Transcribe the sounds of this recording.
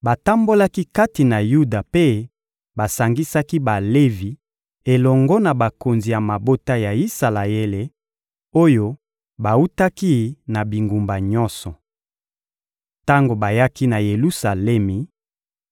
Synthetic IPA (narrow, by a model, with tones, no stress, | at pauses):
ba˨ta˦mbo˦la˦ki˦ka˦ti˨na˨ju˦da˨pe˦ | ba˨sa˨ŋɡi˦sa˦ki˦ba˨le˦vi˨ | e˨lɔ˨ŋɡɔ˦na˨ba˨ko˨nzi˨ja˨ma˨bo˦ta˦ja˨i˦sa˨la˨e˦le˨ | o˦jo˦ | ba˨u˦ta˦ki˦na˨bi˨ŋɡu˨mba˨ɲɔ̃˦sɔ˨ | ta˦ŋɡo˨ba˨ja˦ki˦na˨je˨lu˦sa˨lɛ˦mi˨